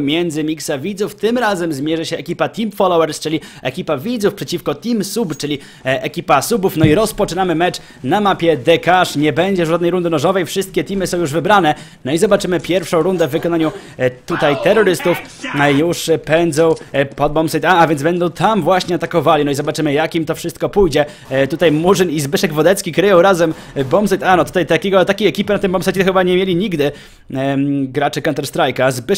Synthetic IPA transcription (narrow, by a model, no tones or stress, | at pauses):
mʲjɛnd̪zɘmʲiksavʲid̪zuft̪ɘmɾazɛmzmʲjɛʐɘɕɛɛkʲipat̪ʲimfɔlɔwɛɾst͡ʂɘlʲiɛkʲipavʲid̪zufpʂɛt͡ɕifkɔt̪ʲimsubt͡ʂɘlʲi | ʔɛkʲipasubufnɔiɾɔspɔt͡ʂɘnamɘmɛt͡ʂ | namapʲjɛd̪ɛkaʂɲɛbɛɲd͡ʑɛʐad̪nɛjɾund̪ɘnɔʐɔvɛjfʂɘst̪̚kʲɛt̪ʲimɘsɔw̃juʐvɘbɾanɛnɔizɔbat͡ʂɘmɘpʲjɛɾfʂɔ̃w̃ɾund̪ɛvːɘkɔnaɲu | t̪ut̪ajt̪ɛɾɔɾɘst̪uf | juʂpɛnd̪zɔ̃w̃pɔd̪̚bɔmsɛjt̪aavʲjɛnzbɛnd̪ɔ̃w̃t̪ʰamvwaɕɲɛat̪akɔvalʲinɔizɔbat͡ʂɘmɘjakʲimt̪ɔfʂɘst̪̚kɔpujd͡ʑɛ | t̪ut̪ajmuʐɘnizbɘʂɛɡvɔd̪ɛt̪skʲikɾɘjɔ̃w̃ɾazɛm | bɔmsɛjt̪anɔt̪u̥t̪ajt̪akʲɛɡɔt̪akʲejɛkʲipɘnat̪ɘmbɔmsɛt͡ɕɛxɘbaɲɛmʲjelʲiɲiɡd̪ɘ | ɡɾat͡ʂɛkant̪ɛɾst̪ɾajkazbɘ